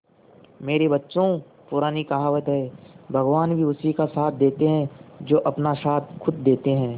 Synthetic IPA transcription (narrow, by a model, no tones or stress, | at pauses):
meːɾebɐtːʃõ | pʊɾaːnikaɦaːʋət̪ɦɛːbʱɐɡʋaːnbʱiʊsikasaːt̪̚ʰd̪eːt̪eɦɛ̃d͡ʒoːʔɐpnaʃaːt̪̚ʰkʰʊd̪̚ːeːt̪eɦɛ̃ː